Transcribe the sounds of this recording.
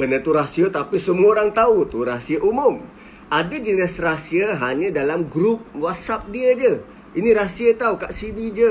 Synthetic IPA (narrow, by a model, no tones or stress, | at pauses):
bənət̪uɾasiət̪apisəmuoɾaŋt̪aut̪uɾasiəʔumʊm | ʔadad͡ʒənəsrasiəɦaɲə̃dalamɡɾup̚wasap̚diəd͡ʒə | iniɾasiət̪aukaʔsidid͡ʒə